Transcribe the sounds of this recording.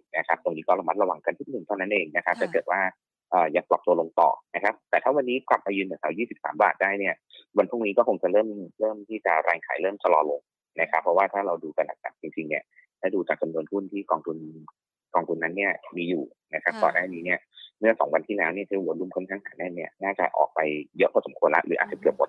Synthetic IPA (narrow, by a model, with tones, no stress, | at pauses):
na˦˥kʰa˦˥p̚t̪o˧ŋniː˦˥kɔː˥˩la˧ma˦˥t̪̚la˧wa˧ŋka˧ntʰu˦˥nɯ˨˩ŋt̪ʰa˥˩na˦˥nʔeː˧ŋna˦˥kʰa˦˥p̚t̪ʰaː˥˩kɤ˨˩t̪̚waː˥˩ | ʔɤː˨˩jaː˨˩plɔ˨˩p̚t̪u˧əlo˧ŋt̪ɔ̰ː˨˩na˦˥kʰa˦˥p̚t̪ɛː˨˩t̪ʰaː˥˩wa˧nːiː˦˥kla˨˩p̚ʔaː˧jɯː˧na˨˩sa˨˩˦wjiː˥˩si˨˩p̚sa̰ː˩˦mba̰ː˨˩t̪̚daː˥˩jni˥˩ɐ | wa˧nt̪ʰu˥˩ŋniː˦˥kɔː˥˩kʰo˧ŋt͡ɕa˨˩ɾɤː˥˩mɾɤː˥˩mt̪ʰiː˥˩t͡ɕa̰˨˩ɾaː˧ŋkʰa̰ː˩˦jlɤː˥˩mt͡ɕʰa˧lɔː˧lo˧ŋ | na˦˥kʰa˦˥pʰɾɔ˦˥waː˥˩t̪ʰaː˥˩ɾa˧wduː˧ka˧nːa˨˩k̚na̰˨˩k̚t͡ɕi˧ŋt͡ɕi˧ŋni˦˥˩ɐ | t̪ʰaː˥˩duː˧t͡ɕaː˨˩k̚t͡ɕa˧mnu˧əntʰu˥˩nt̪ʰiː˥˩kɔː˧ŋt̪ʰu˧n | kɔː˧ŋt̪ʰu˧nːa˦˥nːi˥˩ɐmiː˧juː˨˩ | na˦˥kʰa˦˥p̚t̪ɔ̰ː˨˩daː˥˩niː˦˥ni˥˩ɐmɯ˥˩ɐsɔ̰˩˦ŋwa˧nt̪ʰiː˥˩lɛː˦˥wni˥˩t̪ʰi˥˩˨nlu˧˥˦mkʰɔ˥˩nkʰaː˦˥˩ŋhaː˨˩˦nɛ˥˩nni˥˩ɐnaː˥˩t͡ɕa̰˨˩ʔɔ̰ː˨˩k̚pa˧jjɤ˦˥ʔpʰɔː˥˩so˩˦mkʰu˧ənla̰˦˥ʔɾɯː˩˦ʔaː˨˩t̚t͡ɕa˨˩ki˨˩əp̚wo˨˦t̪̚